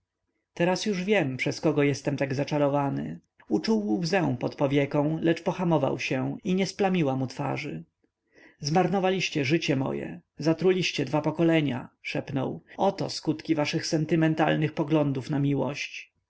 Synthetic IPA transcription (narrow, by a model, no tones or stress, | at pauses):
t̪ɛɾasjuʐvʲjɛmpʂɛskɔɡɔjɛst̪ɛmt̪aɡzat͡ʂaɾɔvanɘ̰ | ut͡ʂuwːzɛw̃pɔt̪pɔvʲjɛkɔ̃w̃lɛt͡ʂpɔxamɔva̰wɕɛiɲɛsplamʲiwamut̪fa̰ʐɘ | zmaɾnɔvalʲiɕt͡ɕɛʐɘt͡ɕɛmɔ̰jɛ̰zat̪ɾulʲiɕt͡ɕɛd̪vapɔkɔlɛɲa̰ʂɛpnɔ̰wɔt̪ɔ̰skut̪kʲivaʂɘxsɛnt̪ɘmɛnt̪alnɘxpɔɡlɔnd̪ufnamʲiwɔ̰ɕt͡ɕ